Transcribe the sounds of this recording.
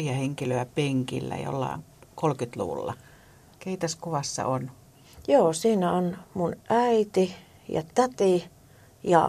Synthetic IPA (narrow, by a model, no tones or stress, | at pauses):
jɑheŋkiløæpeŋkḭlːæ̰jo̰lːɑ̰iŋkolkyt̪lṵʋṵlːɑ̰ | keit̪ɑskuʋɑsːɑ̰ʔon | joːsiːnæonmunʔæit̪i | jɑ̰t̪æt̪i | jɑ̰